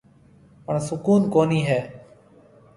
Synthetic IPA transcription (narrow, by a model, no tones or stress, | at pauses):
pəɳsʊkuːnkoːniːɦɛː